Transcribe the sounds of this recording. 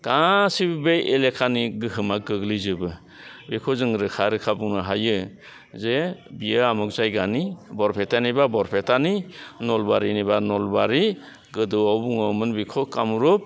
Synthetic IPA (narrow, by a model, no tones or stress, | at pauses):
ɡ̥asibbejʔelekʰaniɡɯɦɯmaɡɯɡlizɯbɯ | bikʰɔzɯŋɾɯkʰaɾɯkʰabuŋnɯɦajɯ | zebijɯamuk̚zajɡanibɔɾpʰetanibabɔɾpʰetaninɔlbaɾinibanɔlbaɾi | ɡɯdɯawbuŋawmɯnbikʰokamuɾɔp̚